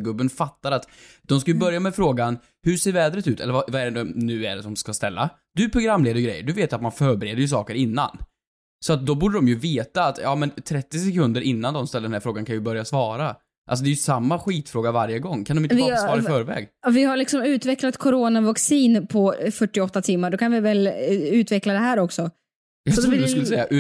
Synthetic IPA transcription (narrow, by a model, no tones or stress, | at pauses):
ɡɵbːənfat̪ːaɾat̪d̪̥ɔmskajɵbœɾjamɛfɾoːɡan | hɵseːɾvɛːd̪ɾət̪ʉ̟ːt̪ɛ̰lːəvavaɛɖɛd̪ɔnʉ̟ːɛ̰ɖɛsɔmskast̪ɛlːa̰ | d̪ɵpʰɾʊɡɾamːleːd̪əɾɡɾɛjːə̰ɖɵveːt̪jat̪̚manfœːɾbɛɾeːd̪əjɵs̬ɑːkəɾɪnːa̰n | sɔat̪̚d̪ɔbuːɖədɔmjɵveːt̪aːt̪jɑ̰ːmɛnt̪ʰɾɛt̪ːɪsɛkɵnd̪əɾʔɪnːand̪ɔmst̪ɛlːɾɖɛnæɾfɾoːɡankʰanjʏbœɾjasvɑːɾa | ʔalsɔd̪ɛjɵsamːaɧiːt̪fɾoːɡavaɾjəɡɔŋːkʰand̪ɔmɪsɑːɾaɪfœːɾvɛ̰ːɡvɪhaɭɪksɔmʉ̟ːt̪vɛklat̪kʰʊɾoːnavaksiːnpʰɔfœʈːɪɔt̪ːat̪ʰɪmːaɖɔkʰanvɪvɛlʉ̟ːt̪vɛklad̪ɛɦæːɾɔksɔ | skɵləsɛjːaʔ